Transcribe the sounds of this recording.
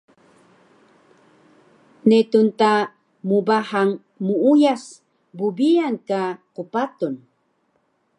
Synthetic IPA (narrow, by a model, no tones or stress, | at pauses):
net̪unt̪a | mubahaŋ | muujas | bubijankaqupat̪un